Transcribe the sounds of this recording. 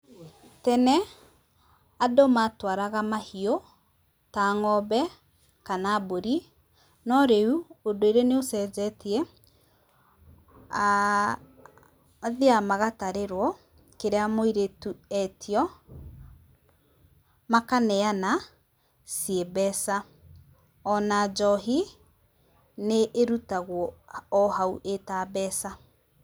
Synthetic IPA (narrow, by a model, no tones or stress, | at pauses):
tɛnɛ | adomatwaɾaɣamahio | taŋɔbɛ | kanaboɾi | nɔɾeuodoeɾeneosɛzɛtiɛ | a | ðeamaɣataɾeɾwɔ | keɾeamoiɾetuɛtʰiɔ | makanɛana | siebɛsa | ɔnad͡ʒɔɦi | neʔːɾutaɣwɔːhauʔetabɛsa